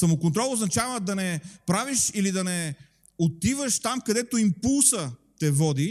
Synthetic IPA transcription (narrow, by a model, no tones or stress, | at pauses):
sɐmokont̪ɾɔlˠoznɐt͡ʃavəd̪ɐnɛpɾaviʃilid̪ɐnɛ | ot̪ivəʃt̪amkɐd̪ɛt̪oimpulˠsət̪ɛvɔd̪i